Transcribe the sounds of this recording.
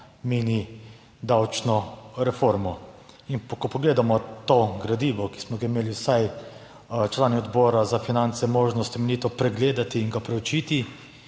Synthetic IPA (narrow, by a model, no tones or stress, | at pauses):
meːni | d̪awt͡ʃnɔɾɛfoɾmɔinkɔpɔɡleːd̪amɔt̪oːɡɾad̪iːʋɔki̥smɔɡaimeːliwsaj | t͡ʃlaːniɔd̪bɔːɾazafinant̪sɛmoːʒnɔst̪ɛmɛnit̪ɔpɾɛɡleːd̪at̪iːŋɡapɾɛwt͡ʃiːt̪i